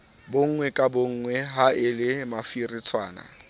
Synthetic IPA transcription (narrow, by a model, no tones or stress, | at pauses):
boŋ̩ŋwɛkʼaboŋ̩ŋwɛɦaɪlɪmafirit͡sʰwaːna̰